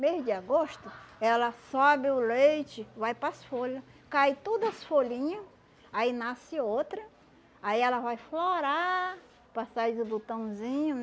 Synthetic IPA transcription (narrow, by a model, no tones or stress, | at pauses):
mejʊd͡ʒɪaɡoʃt̪ʊɛlɐsɔbɪʊlejt͡ʃɪvajpɾɐsfoʎɐkajt̪od̪ɐsfoʎĩɲɐ | ainasɪot̪ɾɐ | aiɛlɐvajfloɾa | pasazʊbut̪ɐ̃w̃zĩɲʊ